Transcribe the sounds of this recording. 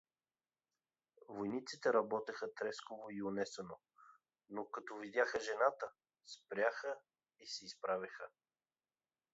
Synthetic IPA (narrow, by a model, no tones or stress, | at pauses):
vojnit̪sit̪ɛɾɐbɔt̪ɛxət̪ɾɛskovoiʊnɛsəno | nokɐt̪ɔvid̪ʲjaxəʒɛnat̪ə | spɾʲjaxə | isɛispɾavʲəxə